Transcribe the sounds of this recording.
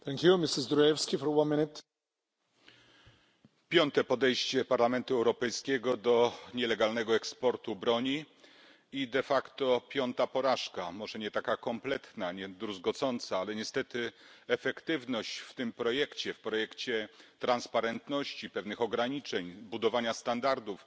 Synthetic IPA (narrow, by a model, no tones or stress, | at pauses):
t̪ʰɛ̃ŋkjumɪsɪzd̪ɾɔjɛfskʲifɔɾwãnmɪnɪt̪ | pʲjɔnt̪ɛpɔd̪ɛjɕt͡ɕɛpaɾlamɛnt̪uɛwɾɔpɛjskʲɛɡɔd̪ɔɲɛlɛɡalnɛɡɔɛkspɔɾt̪ubɾɔɲi | id̪ɛfakt̪ɔpʲjɔnt̪apɔɾaʂkamɔʐɛɲɛt̪akakɔmplɛt̪naɲɛd̪ɾuzɡɔt̪sɔnt̪saalɛɲɛst̪ɛt̪ɘɛfɛkt̪ɘvnɔɕt͡ɕft̪ɘmpɾɔjɛkt͡ɕɛfpɾɔjɛkt͡ɕɛt̪ɾanspaɾɛnt̪nɔɕt͡ɕipɛvnɘxɔɡɾaɲit͡ʂɛɲbud̪ɔvaɲast̪and̪aɾd̪uf